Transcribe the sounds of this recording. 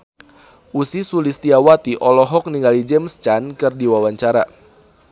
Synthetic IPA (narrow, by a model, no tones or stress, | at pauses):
ʔusisulist̪iawat̪iʔɔlɔɦɔk̚niŋɡalid͡ʒɛmst͡ʃankɨrdiwawaɲt͡ʃaɾa